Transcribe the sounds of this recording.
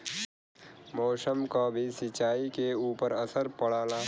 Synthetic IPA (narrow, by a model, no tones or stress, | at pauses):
mɔːsəmkabʱisɪt͡ʃaːikeuːpəɾəsəɾpɐɽ̤aːla